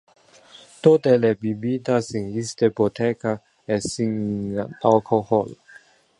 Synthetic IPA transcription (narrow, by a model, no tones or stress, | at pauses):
t̪ot̪ɛlɛbibit̪asiŋist̪epot̪ʰɛka | ɛsiŋanalkʰohɔl